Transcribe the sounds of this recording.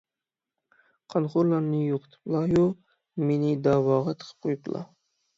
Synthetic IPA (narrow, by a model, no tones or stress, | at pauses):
qʰɑnχʊɾlˠɑɾnɨjoqʰt̪ʰɨ̥plˠɑjo | menɪd̪ɑwɑːʁɑt̪ʰə̥qʰə̥p̚qʰojuplˠɑ̰